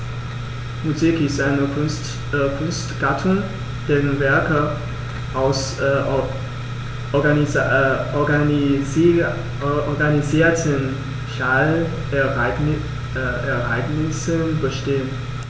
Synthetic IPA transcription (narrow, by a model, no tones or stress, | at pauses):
muzikɪstaɪnət | kʰʊnstɡ̥atʰʊŋ | d̥eːʁənvɛɐkə | ʔaʊs | ɔɡ | ʔɔɐɡaniziːɐtʰən | ʃal | ɛɐʔa̰ɪɡnɪsənbəʃteːən